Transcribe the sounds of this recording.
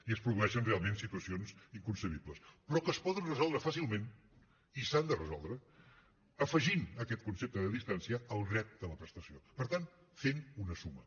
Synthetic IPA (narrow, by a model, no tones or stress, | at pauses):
iəspɾuðuɛʃənrealˠmensit̪uəsionziŋkunsəβ̞ibləspɾɔkəspɔðənrəzɔlˠd̪ɾəfasilˠmen | isand̪ərəzɔ̰lˠd̪ɾə | əfəʒinəkɛt̪kunsep̚t̪əðəðist̪ansiəːlˠdrɛt̪̚d̪ələpɾəst̪əsiopəɾt̪an | fenunəsumə̰